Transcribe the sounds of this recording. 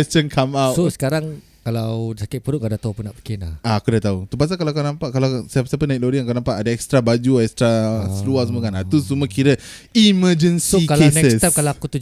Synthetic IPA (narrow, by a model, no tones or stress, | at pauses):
kɛst͡ʃənkʰamawtsosə̥kaɾaŋ | kalawsakɪt̪̚pəɾuʔkɡadaht̪aupunaʔpi̥kɪnahaakudat̪aut̪up̬as̬akalawakanãmpaʔkalasapəsapənãik̚loɾiakanãmpaʔadaɛkst̪ɾabad͡ʒuɛkst̪ɾasəluasəmokanat̪usuməkiɾə | iməd͡ʒənsoikalenɛkəsst̪apkalaakut̪u